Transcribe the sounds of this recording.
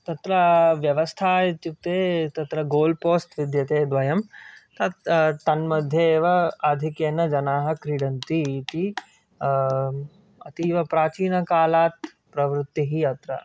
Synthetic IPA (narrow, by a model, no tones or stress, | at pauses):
t̪ɐt̪ɾɐʋjɐʋɐst̪ʰaːt̪ut̪eːt̪ɐt̪ɾɐɡoːlpoːst̪ʋɪd̪jɐt̪eːd̪ʋɐjɐmt̪ɐt̪ɐnmɐd̪ʱjɐːʋɐaːd̪ʱikjeːnɐd͡ʒɐnaːɦɐkɾiɽɐnt̪it̪i | ɐt̪iʋɐpɾaːt͡ʃiːnɐkaːlaːt̪̚ | pɾɐʋɾʊt̪ːiɦiɐt̪ɾɐ̰